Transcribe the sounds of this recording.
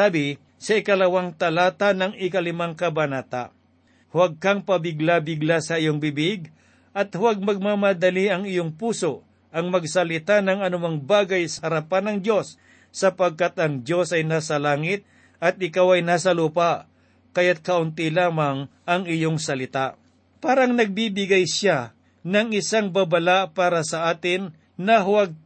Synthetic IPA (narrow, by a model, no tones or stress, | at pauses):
aːbɪ | sɐɪkɐlɐwaŋt̪ɐlaːt̪anɐŋɪkɐlɪmaŋkɐbanaːt̪a̰ | hwaɡ̚kaŋpɐbɪɡlabɪɡlasɐʔɪjoŋbɪbɪɡ | ʔɐt̪hʊwaɡ̚mɐɡ̚mamad̪ɐliɐŋɪjoŋpuːso | ʔɐŋmɐɡsɐlɪt̪anɐŋɐnʊmaŋbaːɡɐjsɐhɐɾapanɐŋd͡ʒjo̞sː | ɐpɐɡ̚kat̪ɐŋd̪jo̞sɐjnaːsɐlaːŋɪt̪̚ | ʔɐt̪̚ɪkawɐjnaːsɐluːpaʔ | kɐjat̪̚kɐʔʊnt̪ilaːmɐŋʔɐŋɪjoŋsɐlɪt̪a | paːɾɐŋnɐɡ̚bibɪɡajsa | nɐŋɪsaŋbabɐlaʔpaːɾɐsɐʔaːt̪ɪnː | ɐɦʊwaɡ̚